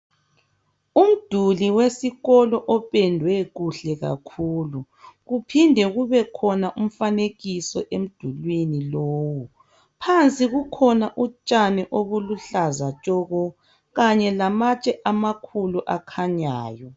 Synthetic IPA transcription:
um̩d̥ʱuliwesiɣɔlɔʔɔpʼɛndʱwɛɣuɬɛɣa̰kʰuːlu | ɣupʰindʱɛɣuβɛkʰɔnaʔum̩faneɣisɔʔem̩d̥ʱulwiniloːwu | pʰant͡sʼiɣukʰɔnaʔut͡ʃʼanɛʔoβuluɬazat͡ʃʼɔɣɔ | ɣaɲɛlamat͡ʃʼɛʔamakʰuluʔakʰaɲaːjɔ

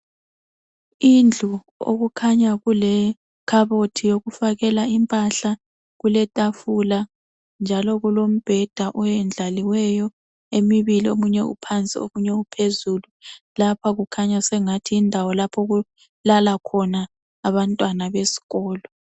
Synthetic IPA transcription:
ind͡ɮʱu | o̰ɣukʰaɲaɣulɛ | kʰaβotʰijoɣufaɣɛlaimpʼaɬa | ɣulɛtʼafula | nd͡ʒʱalɔɣulom̩b̥ʱɛd̥ʱaʔɔjɛnd͡ɮʱaliwɛjɔ | emiβiliomuɲɛṵpʰant͡sʼio̰muɲɛupʰezulu | lapʰaɣukʰaɲasɛŋatʰiːndʱawɔlapʰɔɣu | lalakʰɔnaː | βantʼwanaβesi̥ɣɔːlɔ

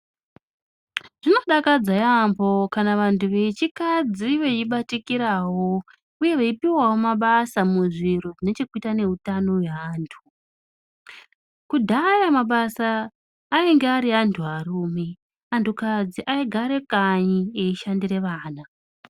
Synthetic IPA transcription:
ʐ̥ino̞ɗakad͡zajambo̞kanaʋantʰuʋe̞t͡ʃikad͡ziʋeiɓatikiɾawo̞ | uje̞ʋeipiwawo̞maɓasamuʐiɾoʐine̞t͡ʃe̞kuitane̞ɦutano̞weaːntʰu | kudʱajamaɓasaː | iŋɡeaɾiɦantʰuɦaruːme̞ | antʰukad͡ziʔaiɡʱaɾe̞kaɲieiʃandire̞ʋaːna

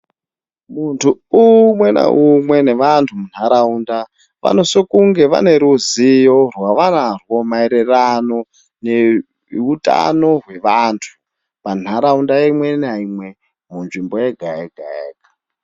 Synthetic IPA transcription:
muntʰuumwena̰umwe̞neʋantʰumun̤aɾaunda | ʋa̰no̞sokuŋɡe̞ʋa̰ne̞ɾuzijorwaʋanarwo̞maiɾerano̞ | ne | utʼa̰no̞ɦwe̞ʋaːntʰu̥ | pan̤aɾaundaeimwe̞naimwe̞ | munʐimbojeɡʱaeɡʱaḛːkḁ

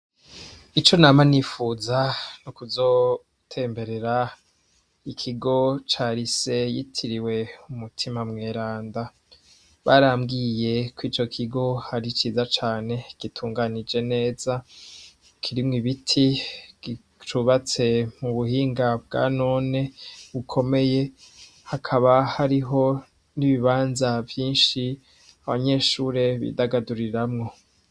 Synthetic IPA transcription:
it͡ʃo̞naːmanifuzanukuzo̞ | tʰe̞ːmbe̞ɾe̞ɾa | ikʰiɡo̞t͡ʃaːɾise̞jitʰiɾiwe̞umutʰimamŋe̞ːɾaːnda | βaɾaːmɡije̞kwiːt͡ʃo̞kʰiɡo̞haɾit͡ʃiːzat͡ʃaːne̞ɡ̥itʰuːŋɡanid͡ʒe̞ne̞ːz̥a | kʰiɾimŋiβitʰiɡ̥i | t͡ʃuβat͡se̞muβuhiːŋɡabɡa̰ːno̞ːne̞βukʰo̞me̞je̞ | hakʰaβahaɾiɦo̞ | niβiβaːnzavjiːnʃi | aβaɲe̞ːʃuːɾe̞βḭdaɡaduɾiɾamŋo̞

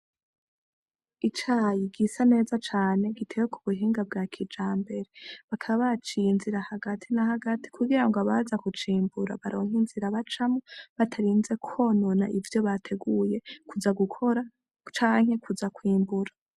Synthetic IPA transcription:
it͡ʃajiɡisane̞ːzat͡ʃaːne̞ɡitʰe̞wekʰuβuɦiːŋɡab̚ɡaːkʰid͡ʒaːmbe̞ɾeβakʰaβaβat͡ʃinziɾahaɡatʰinahaɡatʰi̥kʰuɡiɾaŋɡaβazakut͡ʃiːmbuɾa̰βaɾo̞ːŋ̥inziɾaβat͡ʃamoβatʰaɾiːnze̞kʰo̞no̞na̰ʔivjo̞βatʰe̞ɡuje̞kuzaɡukʰo̞ɾa | t͡ʃaːŋ̥he̞kuzakwiːmbuɾa

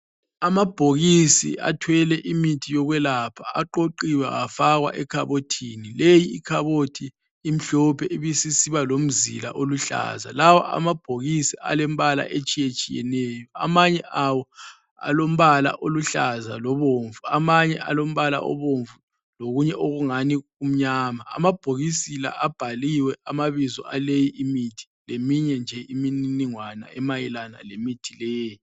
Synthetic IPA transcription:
amab̥ʱoɣisḭʔa̰tʰwɛlɛʔimitʰijɔɣwɛlapʰaaǃoǃiwa̰afaɣwa̰ʔɛkʰaβotʰinilejiːkʰaβotʰiː | m̩ɬɔpʰɛiβisisiβalom̩zḭla̰ʔoluɬa̰za̰lawɔ̰ʔa̰mab̥ʱoɣisiʔa̰lɛm̩βala̰ʔet͡ʃʼijet͡ʃʼijɛ̰nɛːjɔa̰maɲɛʔawɔ | a̰lom̩βala̰ʔoluɬazalɔβoːɱvuamaɲɛʔalom̩βala̰ʔɔ̰βoɱvu | loɣuɲɛʔoɣuŋanium̩ɲaːmaa̰mab̥ʱoɣisila̰ʔab̥ʱaliwɛamaβizɔ̰ʔalejiʔimitʰi̥lemiɲɛnd͡ʒʱɛʔimininiŋwana̰ɛmajɛlana̰lemitʰilɛːji

